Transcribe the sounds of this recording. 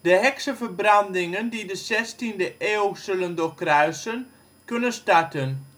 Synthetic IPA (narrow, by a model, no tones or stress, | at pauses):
d̥əɦɛksəvəɹbrɑndɪŋəndidəsɛstindəʔeːwsɵləndokrœɥsən | kɵnənstaɹtən